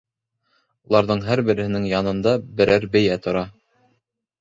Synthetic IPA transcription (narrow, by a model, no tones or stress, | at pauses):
ulˠɑɾðɤɴɦæɾbɘ̆ɾɘ̆hɘ̆nɘŋjɑnɤ̆nd̪ɑbɘ̆ɾʔæɾbɘ̆jæt̪ŏɾɑ